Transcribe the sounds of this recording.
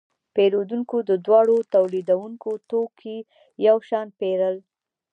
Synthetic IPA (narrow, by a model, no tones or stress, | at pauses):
peɾod̪uŋkod̪əd̪wɑɽot̪awlid̪awuŋkot̪okʰi | jawʃɑnpeɾəl